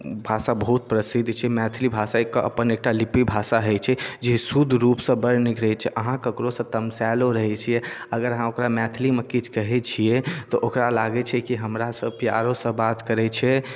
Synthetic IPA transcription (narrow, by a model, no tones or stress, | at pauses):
bʱasabəɦut̪̚pɾəsid̪ʱt͡ʃʰɛmɛt̪ʰlibʱasaekːʔə̰pənek̚ʈalipibʱasaɦət͡ʃʰɛd͡ʒisud̪ʱɾupsə̃bəɾnikɾɛt͡ʃʰɛʔəɦãkəkɾosə̃t̪əmsɛloɾəɦɛt͡ʃʰijɛəɡəɾəɦãokɾamɛt̪ʰlimekit͡ʃʰkəɦɛt͡ʃʰijɛt̪ɔʔokɾalaɡɛt͡ʃʰɛkiɦəmɾasə̃pijaɾosə̃bat̪kəɾɛt͡ʃʰɛ